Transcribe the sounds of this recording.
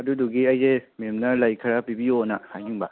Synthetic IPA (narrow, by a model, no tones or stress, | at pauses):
ɐduduɡiɐjdememnɐlɐjkʰɐɾapibionahajjuŋba̰